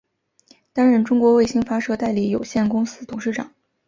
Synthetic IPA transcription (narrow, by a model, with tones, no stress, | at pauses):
t̪a˥nɻə˥˩nʈ͡ʂʊ˥ŋkwɔ˧˥we˥˩ɪɕi˥ŋfa˥ʂɤ˥t̪a˥˩ɪli˧˥˩jo˨˩ʊɕjɛ˥˩nkʊ˥ŋsɹ̩˥t̪ʰʊ˨˩ŋʂɻ̩˥˩ʈ͡ʂɑ̰˨˩˦ŋ